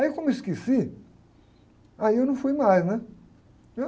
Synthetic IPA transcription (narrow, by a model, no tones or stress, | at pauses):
aewkõmʊɪskesi | aiewnɐ̃w̃fujmajznɛ | e